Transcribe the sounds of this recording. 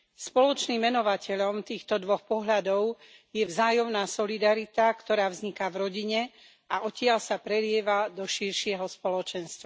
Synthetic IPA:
spɔlɔt͡ʃnimːɛnɔʋacʰɛʎɔmt̪iːxt̪ɔd̪ʋɔxpɔɦʎad̪ɔʊ | jɛvzaːjɔmnaːsɔlid̪aɾit̪akt̪ɔɾaːvzɲikavɾɔɟiɲɛ | aʔɔcɪaʎsapɾɛlɪɛʋad̪ɔʃiɾʃɪɛɦɔspɔlɔt͡ʃɛnst̪ʋa

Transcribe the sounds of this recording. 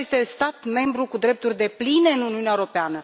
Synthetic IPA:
est̪e̞st̪at̪me̞mbɾukud̪ɾe̞p̚t̪urʲd̪e̞pline̞ɨnuniuneaewɾopeanə

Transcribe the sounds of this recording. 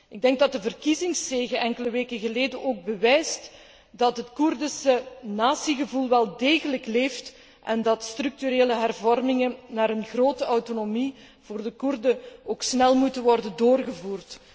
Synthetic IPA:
ɪɡ̚dɛŋɡ̚dɑt̚dəvərkizɪŋsːeːɣəʔɛŋkələʋeːkəɣəleːdənʔoːɡ̚bəʋɛjst | dɑtɦətkurdəsənaːsiɣəvulˠʋɛlˠdeːɣələkleːft | ʔɛndɑtstrʏk̚tyɾeːləɦɛrvɔrmɪŋənaːɾənɣroːtəawtonomi | v̥oːrdəkurdəoːksnɛlˠmutənʋɔrdəndoːrɣəvuːrt

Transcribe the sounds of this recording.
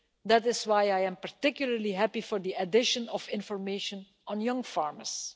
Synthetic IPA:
d̪ætɪswajajɛ̃mpaɹtɪkjʊl̩ˠəɹliɦæpifɔɹd̪iədɪʃə̃nɔfɪ̃nfɔɹmeːʃə̃n | ɔ̃njʌ̃ŋfaɹməs

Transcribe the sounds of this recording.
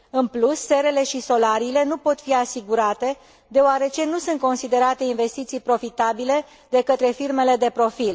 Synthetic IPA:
ɨnplusːe̞ɾe̞le̞ʃiso̞laɾiːle̞nupo̞t̪fiasiɡuɾat̪e̞ | d̪e̞oaɾe̞t͡ʃe̞nusunt̪̚ko̞nsid̪e̞ɾat̪e̞inve̞st̪it̪sijpɾo̞fit̪abile̞ | d̪e̞kət̪ɾe̞firme̞le̞d̪e̞pɾo̞fil

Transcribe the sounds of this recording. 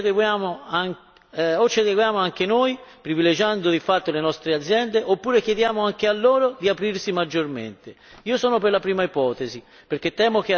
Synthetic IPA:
d̪eɡjaːmoaŋ | ot͡ʃːed̪eɡwjaːmoaŋk̟enoːjpɾiviled͡ʒand̪od̪ifat̪ːolenɔst̪ɾead̪zːjɛnd̪eʔopːuːɾekjed̪jaːmoaŋk̟ealːoːɾod̪iapɾiɾsimad͡ʒːormḛnt̪e | iːosɔːnoperlapɾiːmaipɔːt̪ezi | peɾk̟et̪ːɛːmok̟

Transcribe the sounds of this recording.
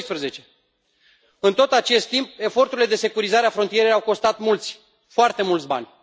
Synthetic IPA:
jspɾəze̞t͡ʃe̞ | ɨnt̪o̞t̪at͡ʃe̞st̪ːimp̚e̞fo̞rt̪uɾile̞d̪e̞se̞kuɾizaɾeafɾont̪ije̞ɾejawko̞st̪at̪mult̪sʲ | foart̪e̞mult̪sʲba̰nʲ

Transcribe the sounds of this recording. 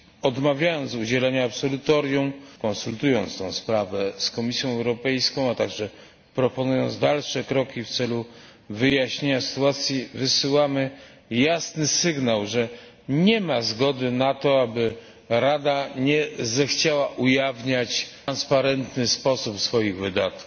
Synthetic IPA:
ɔd̪mavʲjajɔnt̪sud͡ʑɛlɛɲaːpsɔlut̪ɔɾjumkɔ̃nsult̪ujɔnt̪st̪ɔ̃w̃spɾavɛskɔmʲisʲjɔ̃w̃ɛwɾɔpɛjskɔ̃w̃at̪aɡʐɛ | pɾɔpɔnujɔnt̪zd̪alʂɛkɾɔkʲift̪sɛlu | vɘjaɕɲeɲasɘ̥t̪uat̪sʲjivɘsɘwamɘ | jasnɘsɘɡnawʐɛ | ɲɛmazɡɔd̪ɘnat̪ɔabɘ | ɾad̪aɲɛzɛxt͡ɕawaʔujavɲat͡ɕnspaɾɛnt̪nɘspɔsupsfɔjiɣvɘd̪at̪ku

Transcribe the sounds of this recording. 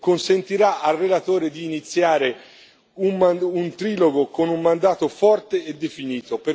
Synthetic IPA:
konsent̪iɾaʔalrelat̪oːɾed̪iːnit̪sːjaːɾe | ummaunt̪ɾiːloɡokonumːand̪aːt̪ofɔrt̪eːd̪ːefiniːt̪ope

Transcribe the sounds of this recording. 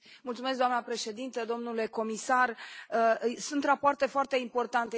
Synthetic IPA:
multsumesk̚d̪oamnəpɾe̞ʃe̞d̪int̪əd̪o̞mnule̞ko̞misarəsunt̪rapoart̪e̞foart̪e̞impo̞rt̪ant̪e

